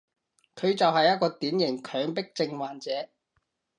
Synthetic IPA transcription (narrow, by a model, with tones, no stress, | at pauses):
kʰɵ˨˧ɥt͡sɐ˨whɐ˨jːɐ˥t̚kɔː˧t̪iː˨˥njɪ˨˩ŋkʰœː˨˧ŋpɪ˥k̚t͡sɪ˧ŋwaː˨nt͡sɛː˨˧˦